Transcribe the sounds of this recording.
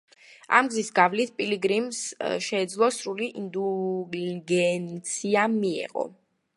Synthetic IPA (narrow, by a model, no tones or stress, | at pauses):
a̰mɡzisɡavlit̪̚ʰpʼiliɡɾimsʃɛːd̪zlˠɔsɾuliʔind̪u | ɡɛnt̪sʰiamiɛ̰ʁɔ̰